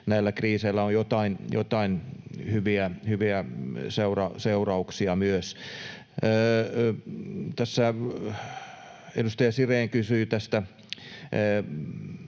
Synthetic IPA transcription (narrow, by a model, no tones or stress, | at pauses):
næilːækriːseilːæojot̪ɑinjo̰t̪ɑinhyʋiæhyʋiæseurɑseurɑuksiɑmyøsː | t̪æsːæ | ḛlust̪ɑjɑsireːŋkysyːt̪æst̪æ